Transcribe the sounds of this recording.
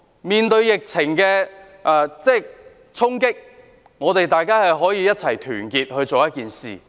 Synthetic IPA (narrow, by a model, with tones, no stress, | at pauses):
miː˨˩nt̪ɵ˧ɥjɪ˨k̚t͡sʰɪ˨˩ŋkɛː˧ | ʔɛː˨˩t͡sɛː˥˩ | t͡sʰʊ˥ŋkɪ˥k̚ | ŋɔː˨˧t̪e˨jt̪aː˨jkaː˥hɐ˨jɦɔː˨˥jiː˧jɐ˥t̚t͡sʰɐ˨˩jt̪ʰyː˨˩nkiː˨t̚hɵ˧ɥt͡so˨wjɐ˥t̚kiː˨nsḭː˨